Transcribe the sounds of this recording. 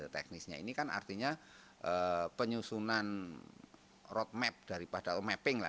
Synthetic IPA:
ət̪ɛ̰k̚nɪsɲa̰ḭnikana̰rt̪iɲa | ʔəpəɲusunan | rɔt̪̚mɛp̚d̥aɾipad̥amɛpɪŋla̰

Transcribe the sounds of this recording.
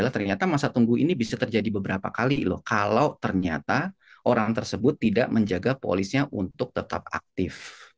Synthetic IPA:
alaht̪ərɲat̪amasat̪uŋɡuinibisat̪ərd͡ʒadibəbəɾapakalilʊ̰hkalawt̪ərɲa̰t̪a | ʔoɾaŋt̪ərsəbʊt̪ːida̰ʔməɲd͡ʒaɡapo̰lɪsɲaʔunt̪ʊk̚t̪ət̪a̰p̚a̰k̚t̪ɪf

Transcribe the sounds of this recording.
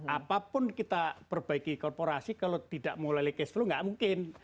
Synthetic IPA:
apapʊnkit̪apərb̥aikikɔrpoɾasikalot̪idaʔmolalekesluŋɡaʔmuŋkɪn

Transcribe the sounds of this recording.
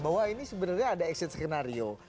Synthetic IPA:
bawainisəbənərɲaːdaɛksɪt̪skənaɾio

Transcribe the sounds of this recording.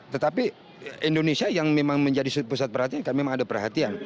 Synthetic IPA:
t̪ət̪api | ʔindonesiajaŋmemaŋməɲd͡ʒadisupusat̪̚pərhat̪iankanmemaŋadapərɦat̪ian

